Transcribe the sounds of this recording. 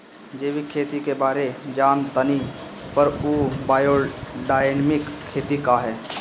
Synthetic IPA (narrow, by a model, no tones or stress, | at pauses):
d͡ʒeːʋikʰeːt̪ikebaːɾed͡ʒaːnt̪əni | pɐɾoːbaːjoːɖaːɪnmɪkʰːeːt̪ikaɦɛː